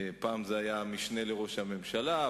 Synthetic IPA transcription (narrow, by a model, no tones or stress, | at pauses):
paːmzeajamiʃne̞le̞ʁo̞ʃhame̞mʃala